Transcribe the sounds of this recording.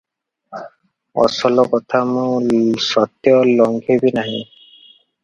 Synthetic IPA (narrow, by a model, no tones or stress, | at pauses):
ɔ̰sɔlɔkɔt̪ʰamũsɔt̪jɔlɔŋɡʱebinaɦĩ